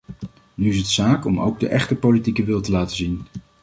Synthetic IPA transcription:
nyɪs̬ətsaːkɔmo̰wɡ̚də̰ʔɛχtəpolitikəʋɪlˠtəlaːtəzin

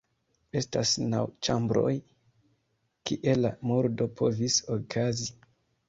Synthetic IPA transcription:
e̞stasnawt͡ʃambɾo̞̰j | kiʔe̞lamoɾdo̞pʰo̞visokʰazi

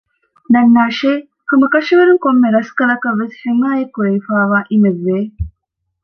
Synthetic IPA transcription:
nɐnːaːʃeː | kumɐkɐʃiʋɐɾuŋkomːeɾɐskɐlɐkɐʋːesheŋaːjekːuɾeifaːʋaːʔimeʋːeː

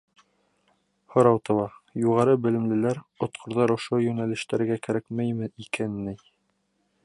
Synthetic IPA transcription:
hŏɾɑwt̪ɤ̆wˠɑjuʁɑɾɤbɘ̆lɘ̆mlɘ̆læɾŏt̪qʰŏɾðɑɾŏʃojɵnælɘ̆ʃt̪æɾɡækæɾækmæjmɘikænːɘj

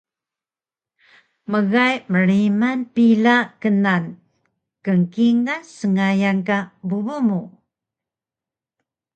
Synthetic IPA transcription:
məɣajməɾimanpilakənan | kəŋkiŋasəŋajankabubumu

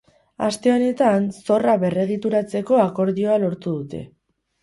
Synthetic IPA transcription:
ast̪e̞o̞ne̞t̪anso̞raβe̞re̞ɣ̞it̪uɾat͡se̞ko̞ako̞ɾðio̞alo̞ɾt̪uð̞ut̪e̞̰

